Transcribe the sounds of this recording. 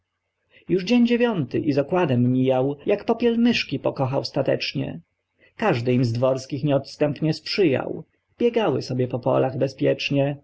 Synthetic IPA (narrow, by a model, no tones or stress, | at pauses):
juʐd͡ʑeɲd͡ʑevʲjɔnt̪ɘ̰ʔizɔkwad̪ɛmːʲijawjakpɔpʲjɛlmɘʂkʲipɔkɔxawst̪at̪ɛ̰t͡ʂɲɛ̰ | kaʐd̪ɘimzd̪vɔɾskʲixɲɛɔt̪st̪ɛmpɲɛspʂɘja̰w | b̥ʲjɛɡawɘsɔbʲjɛpɔpɔ̰laɣbɛspʲjɛt͡ʂɲɛ